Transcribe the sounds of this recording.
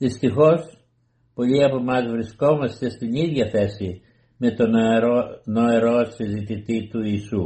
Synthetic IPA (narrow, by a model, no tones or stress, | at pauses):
ðist̪ixo̞s | po̞ʎiɐpo̞mɐzvɾisko̞mɐst̪e̞st̪iniðʝɐθe̞si | me̞t̪ononoeɾo̞sizit̪it̪it̪uiːsu